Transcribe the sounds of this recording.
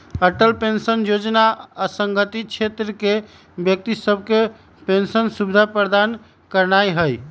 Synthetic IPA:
əʈəlpensənjod͡ʒnaəsəŋɡət̪it͡ʃʰet̪ɾəke | bjək̚t̪isəb̚ʱke | pensənsubd̪ʱapəɾd̪an | kəɾnajɦəj

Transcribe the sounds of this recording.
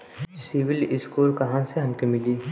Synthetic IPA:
siʋɪlɪskuːlkɐɦãseɦɐmkemɪliː

